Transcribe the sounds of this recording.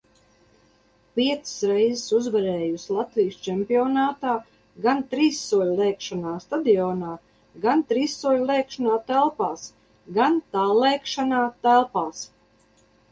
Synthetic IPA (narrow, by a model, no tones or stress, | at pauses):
pʲiɛt̪sɨ̥sɾɛjzɪsuzvaɾɛːjuslˠat̪vijst͡ʃɛmpiɔnaːt̪aː | ɡant̪ɾiːsːuɔlʲlˠɛːkʃanaːst̪ad̪iɔːnaː | ɡant̪ɾiːsːuɔlʲlˠɛːkʃanaːt̪ælˠpaːs | ɡant̪aːlˠɛːkʃanaːt̪ælˠpaːs